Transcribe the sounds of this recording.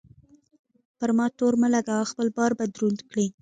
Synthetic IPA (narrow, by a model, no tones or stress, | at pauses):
pəɾmɑt̪oɾməlaɡawaxpəlbɑɾbad̪ɾund̪kɽi